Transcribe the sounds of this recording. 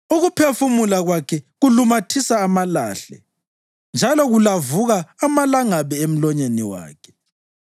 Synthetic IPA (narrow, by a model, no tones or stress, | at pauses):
uɣupʰefumulaɣwakʰɛɣulumatʰisaːmala̰ːɬɛ̰ | nd͡ʒʱalɔɣulavuɣaːmalaŋaβɛem̩lɔɲeniwa̰ːkʰɛ̥